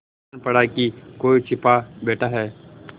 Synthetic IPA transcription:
npəɽakikoːit͡ʃʰɪpaːbɛːʈʰaːɦɛː

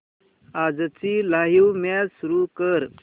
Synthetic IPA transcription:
ad͡zt͡silaɦiwmjad͡zsuɾukəɾ

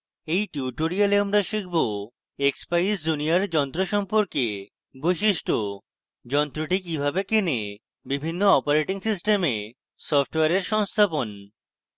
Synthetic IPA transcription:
ejʈuuʈoɾialeamɾaʃikʰbo | ekspajsd͡ʑuniaɾd͡ʑɔnt̪ɾoʃɔmpoɾke | bojʃiʃʈo | d͡ʑɔnt̪ɾoʈikibʱabekene | bibʱinːoɔpaɾeʈiŋsisʈeme | sɔfʰʈoweaɾeɾʃɔŋst̪ʰapon

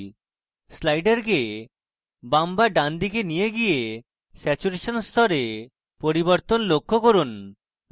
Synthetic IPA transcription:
slajɖeɾke | bambaɖand̪ikenijeɡije | sɛt͡ɕuɾeʃonst̪ʰɔɾe | poɾiboɾt̪onlokʰːokoɾun

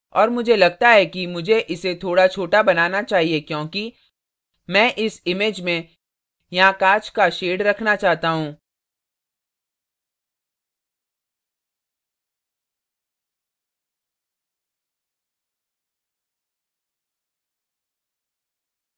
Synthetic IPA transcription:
ɔːɾmʊd͡ʒʱelɐɡ̚t̪aɦɛkimʊd͡ʒʱeʔɪset̪ʰoːɽat͡ʃʰoːʈabɐnaːnat͡ʃaːɦiekjõːki | mɛ̃ːʔɪsɪmeːd͡ʒmẽ | jɐɦãkaːt͡ʃkaʃeːɖɾɐkʰnat͡ʃaːɦt̪aɦũː

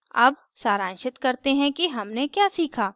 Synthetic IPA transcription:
ɐb | saːɾãːnʃɪt̪kɐɾt̪eɦɛ̃kiɦɐmnekjaːsiːkʰaː

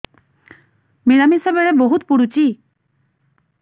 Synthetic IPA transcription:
miɾamisebeɾeboɦut̪puɽut͡ɕi

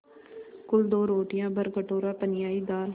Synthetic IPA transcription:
kʊld̪oːɾoːʈɪjãːbəɾɡəʈoːɾaːpənɪjaːiːd̪aːl

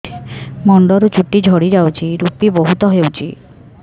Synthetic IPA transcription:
mɔɳɖɔɾut͡ʃuʈid͡ʒʱɔɽid͡ʒawt͡ʃʰiɾupibɔɦut̪ɔɦewt͡ʃʰi

